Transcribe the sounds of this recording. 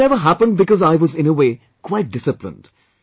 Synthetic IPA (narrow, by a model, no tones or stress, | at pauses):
ɛvəɦæpə̃nd̚bɪkɔzaɪwɔzɪ̃nəweː | kʰwaɪʈ̚d̥ɪsɨplɪ̰̃nd̥